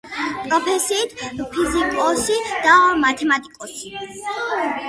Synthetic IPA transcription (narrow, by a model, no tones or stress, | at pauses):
pʼɾɔpʰɛsiːt̪ʰpʰizikʼɔsid̪̥amat̪ʰɛmat̪ʼikʼɔsi